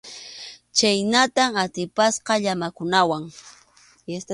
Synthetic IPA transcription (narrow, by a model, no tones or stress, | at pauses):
t͡ʃajnat̪amat̪ɪpasqɑʎamakʊnawaŋ | est̪